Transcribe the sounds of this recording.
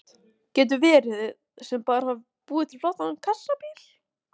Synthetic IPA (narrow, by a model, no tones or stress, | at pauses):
cɛːt̪̬ʏvɛːɾɪð | sɛmpaːɾhav | puːðɪt̪ʰɪlflowht̪anankʰasːapiːl̥